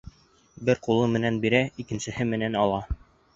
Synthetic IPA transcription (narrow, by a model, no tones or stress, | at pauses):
bɘɾqulˠɤmɘ̆nænbiɾæikɘ̆nsɘ̆hɘmɘ̆nænɑlˠɑ